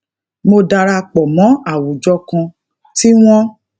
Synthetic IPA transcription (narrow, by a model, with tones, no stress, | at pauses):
mo˧da˧ɾa˧k͡pɔ˨mɔ̃˨˦a˦˨wu˨d͡ʒɔ˧kã˧ | ti˦w̃ɔ̃˦